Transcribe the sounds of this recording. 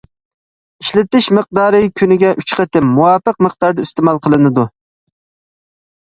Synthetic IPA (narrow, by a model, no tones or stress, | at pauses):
iʃlɪt̪ɪʃməq̚d̪ɑːɾɨkʲʰynɪɡʲɛʔyt͡ʃqʰət̪ɪmːuwɑːpəq̚məq̚d̪̥ɑɾd̪ɨist̪ɪmɑlˠqʰəlˠɨnɨd̪u